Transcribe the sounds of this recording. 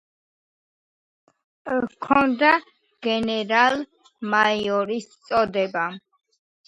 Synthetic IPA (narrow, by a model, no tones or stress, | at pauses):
kʰɔnd̪a | ɡ̥ɛnɛɾalˠ | majɔɾist̪sʼɔd̪ɛba